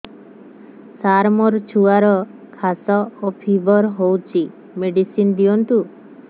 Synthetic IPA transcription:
saɾmɔɾt͡ʃʰuaɾɔ | kʰasɔopʰibɔɾɦowt͡ʃʰi | meɖisind̪iɔnt̪u

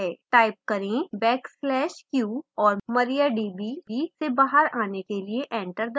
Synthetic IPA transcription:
ɛʈaːɪp̚kɐɾẽbɛːkslɛːʃkjuːɔːɾmɐɾijaɖiːbiisebaːɦəɾaːnekelieʔɛ̃ːɳʈəɾd̪

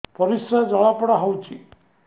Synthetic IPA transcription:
pɔɾisɾad͡ʒɔɭapɔɽaɦowt͡ʃʰi

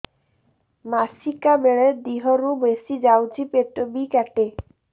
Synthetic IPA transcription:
masikabeɭeɾd̪iɦɔɾubesid͡ʑawd͡ʑipeʈobikɛʈe

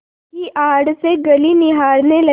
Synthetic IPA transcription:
kiʔaːɽseɡəlinɪɦaːɾnelɐ

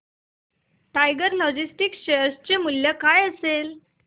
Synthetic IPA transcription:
ʈajɡəɾlɔd͡ʑisʈikɕəjəst͡ɕemuljəkajəsel

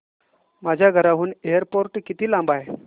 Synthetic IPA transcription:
mad͡ʑʱjaɡʱəɾaɦuːnejəɾpoɾʈkit̪iːlãmbaj

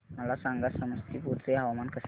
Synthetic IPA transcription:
məlasaŋɡasəməst̪ʰiːpuɾt͡seaʋamankəs

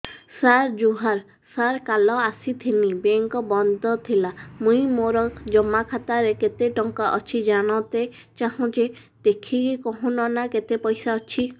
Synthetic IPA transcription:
saɾd͡ʒuɦaɾ | saɾkalɔasit̪ʰinibeŋkɔbɔnd̪ʱɔt̪ʰilamũĩmoɾɔd͡ʒɔmːakʰat̪aɾeket̪eʈɔŋkaʔɔt͡ʃʰid͡ʒaɽ̃ɔwt̪e | t͡ʃaɦũt͡ʃe | d̪̥ekʰikikɔɦũnɔnaket̪epɔjsaɔt͡ʃʰi

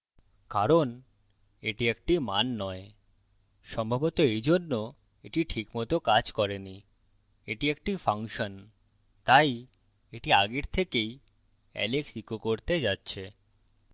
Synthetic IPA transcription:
kaɾon | eʈiek̚ʈimanːɔe | ʃɔmbʱabot̪oejd͡ʑonːo | eʈiʈʰikmɔt̪okad͡ʑkɔɾeni | eʈiekʈifʰaŋʃon | t̪aj | eʈiaɡeɾt̪ʰekej | ɛ̰leksikokoɾt̪ed͡ʑatːɕʰe

